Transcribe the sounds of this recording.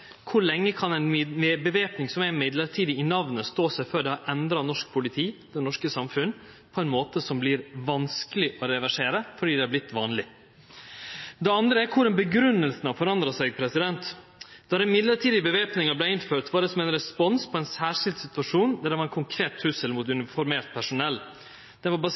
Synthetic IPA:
kʰʊɾɭɛŋːəkʰɑnɛnbəʋeːpnɪŋsɔmæmɪd̪ləɾʈʰiːd̪ɪɪnɑʋnəst̪oːsæɪføːɖɛhɑɾʔɛnd̪ɾɑnɔʂk̚pʰʊlɪt̪ʰiːd̪ɛnɔʂkəsɑmfʉnː | pʰɔɛnmoːt̪əsɔmblɪɾʋɑnskəlɪʔɔɾɛʋæʂeːɾəfɔɖiːd̪ɛæblɪt̪ːʋɑːnlɪ | d̪ɛɑnd̪ɾəæɾkʰʊɾɛnbəɡɾʉnːəlsənɑʋfɔɾɑnd̪ɾɑsæɪɡpʰɾɛsɪd̪ɛnt̪ | d̪̥ɑd̪ɛmɪd̪ləɾʈʰiːd̪ɪbəʋeːpnɪŋɑblæɪnføːt̪ʋɑːɖɛsɔmɛɪnɾɛspɔnspʰɔɛɪnsæːʂɪld̪sɪt̪ʋɑʂuːnd̪æɾɖɛʋɑɾɛnkʰʊŋkʰɾeːt̪ʰːʉsəlmʊt̪ʉnɪfɔɾmeːɾt̪̚pʰæʂʊnɛlː | d̪̥ɛʋɑbɑ

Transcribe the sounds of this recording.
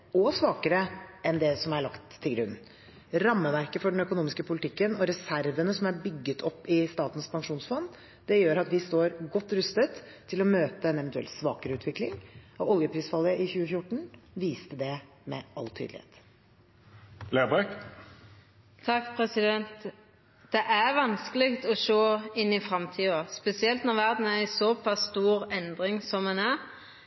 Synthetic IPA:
ɔsʋɑːkəɾəʔɛnd̪ɛsɔmæɭɑkt̪ʰːɪlɡɾʉ̰n | ɾɑmːəʋæɾkəfɔɖɛnœkʊnuːmɪskəpʰʊlɪt̪ʰɪkːənɔɾɛsæɾʋənəsɔmæbʏɡːət̪ʰɔpːɪst̪ɑːt̪n̩spʰɑŋʂuːnsfɔn | d̪̥ɛjøːɾɑt̪ʋɪst̪oːɾɡɔt̪ːɾʉst̪ət̪ʰːɪlɔmøːt̪əɛnɛʋɛnt̪ʉɛ̰lt̪sʋɑ̰ːkəɾəʉːt̪ʋɪklɪ̰ŋɔɔljəpʰɾiːsfɑlːəʔɪçʉːəfjʊʈːɳ̩ʋiːst̪əd̪ɛ | mɛ̰ʔɑlt̪ʰy̰ːd̪lɪhḛːt̪ | lebʁɛk | t̪ʰɑkːpʰʁɛsɪd̪ɛnt̪ | d̪̥ɛʔæʁʋɑnskəlɪkt̪ɔʂoːɪnːɪfɾɑmt̪ʰiːospɛsɪɛlt̪nɔʁʋæʁd̪n̩æʁæɪsɔpʰɑsːt̪uːʁɛnd̪ʁɪŋsɔmɛnæʁ

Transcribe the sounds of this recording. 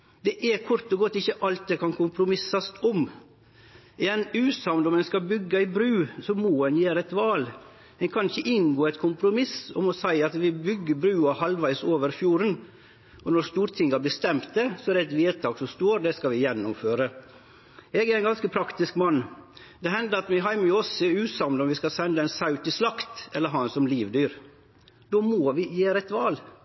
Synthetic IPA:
d̪ɛʔɛɾkʰʊɾt̪ɔɡɔt̪ːɪçːəʔɑlt̪̚d̪ɛkʰɑnkʰʊmpɾʊmɪsɑst̪ʰɔm | ɪjɛnʉːsɑʊnd̪ɔmɛnskɑbʏɡːɑɪbɾʉːsɔmoːɛnjeːɾəɛt̪ʋɑːl | hɛnkʰɑnɪçːəʔɪnɡoːæt̪kʰʊmpɾʊmɪsɔmɔsæɪɑt̪ʋɪbʏɡːəbɾʉːɑhɑlʋæɪsoːʋəɾfjuːɾən | ʔɔnɔɾst̪uːɾt̪ʰɪŋːəæbəst̪ɛmt̪̚d̪ɛsɔæɾɛɛt̪ʋeːt̪ʰɑːɡsɔmst̪oːɾd̪ɛskɑʋɪjɛnːʊmføːɾə | ɛɡæɾɛnɡɑnskəpʰɾɑkt̪ɪskmɑnː | d̪ɛɦɛnd̪əɾɑt̪mɪɦɑɪmɔsəʉːsɑmlɔmʋɪskɑsɛnd̪əɛɪnsɑʉt̪ɪslɑkt̪ɛlːəɾɦɑːɛnsɔmliːʋd̪yːɾ | d̪̥oːmoːʋɪjeːɾəɛt̪ʋɑːl

